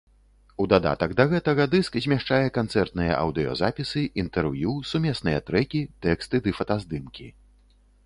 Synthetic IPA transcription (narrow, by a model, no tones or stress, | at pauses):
ud̪ad̪a̰t̪ɐɡd̪ɐɣɛt̪ɐɣɐd̪ɨskzʲmʲaʂt͡ʂajɛkant̪sɛrt̪nɨjɐ̰ʔɐ̰wd̪ɨjɔ̰zapʲisɨʔint̪ɛrvjusumʲɛsnɨjɐt̪ɾɛkʲit̪ɛkst̪ɨd̪ɨfɐt̪azd̪ɨmkʲi